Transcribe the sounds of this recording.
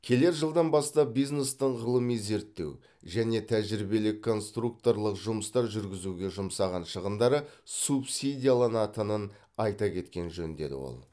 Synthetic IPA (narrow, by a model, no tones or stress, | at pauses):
kʲʰe̞le̞ɾʒəlˠd̪ɑnbɑst̪ɑp̚bijznest̪əɴʁəlˠəmijze̞ɾt̪ːe̞̰w | ʒæne̞t̪ʰæʒɾibe̞lɪkʰːo̞nst̪ruk̚t̪o̞ɾlˠəqʒʊməst̪ɑɾʒʏɾɡʲɪzuɡʲe̞ʒʊmsɑʁɑnʃəʁənd̪ɑɾəsupsʲid̪ʲijalˠɑnɑt̪ənən | ɑjt̪ɑkʲʰe̞t̪kʲe̞nʒɵnd̪e̞̰d̪ɪ̰wo̰lˠ